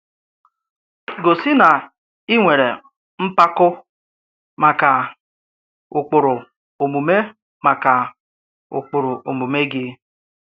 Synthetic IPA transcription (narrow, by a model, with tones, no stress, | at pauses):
ɡo˨sɪ˦na˨ | i˦ŋʷe˨ɾe˨ | m̩˦pa˦kʊ˦ | ma˨ka˨ | ʊ˨k͡pʊ˨ɾʊ˨ | o˨mu˨me˦ | ma˨ka˨ | ʊ̰˨k͡pʊ˨ɾʊ˨ʔo˨mu˨me˦ɡɪ˦